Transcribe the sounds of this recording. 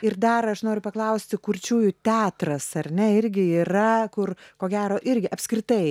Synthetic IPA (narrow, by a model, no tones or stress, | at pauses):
ɪrd̪ɐrɐʃnoːɾʲʊpɐklˠɐʊsʲt̪ʲɪkʊɾʲt͡ʃʲuːjʊt̪ʲæːt̪rɐsɐrʲnʲɛɪɾʲɡʲɪiːrɐkʊrkoːɡʲæːɾoːʔɪɾʲɡʲɪʔɐpʲskɾʲɪt̪ɐɪ